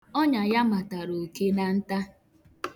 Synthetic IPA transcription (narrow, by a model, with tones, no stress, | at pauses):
ɔ˦ɲa˨ja˦ma˨ta˨ɾo˨ke˦na˨n̩˦ta˦